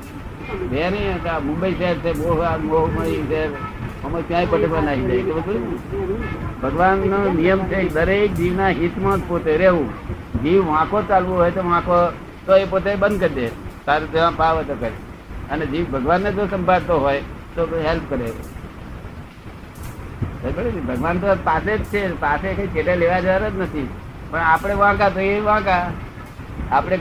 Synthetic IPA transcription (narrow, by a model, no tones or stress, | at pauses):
d̪enikamʊ̃mbəiʃəɦɛɾt͡ʃʰeboːɦamoɦməiseɦɾməməʃũãipət̪ebanaɦid͡ʒait̪obəd̪u | bʱəɡʋanːonijəmt͡ʃʰekd̪əɾek̚d̪iʋnaɦit̪mãt̪pot̪eɾeʋũ | d͡ʒiʋʋãkot͡ʃalʋũɦoːjt̪oʋãko | t̪oepot̪ebə̃nd̪̚kəɾd̪et̪aɾet̪eʋãpaʋət̪okəɾeəned͡ʒiʋbʱəɡʋanːed͡ʒosə̃mbʱaɽt̪oɦoj | t̪oɦelpkəɾḛ | əbəɽebʱəɡʋant̪opased͡ʒt͡ʃʰepasekait͡ʃeʈeleʋad͡ʒaɾəd͡ʒnət̪ʰi | pəɳapɽ̃eʋãkat̪oeʋãka | apɽ̃e